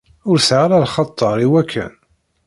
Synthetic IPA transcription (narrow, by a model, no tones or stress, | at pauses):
ʊɾsʕaɾaɾχɑt̪ˤːɑɾˤiwækʰːə̰n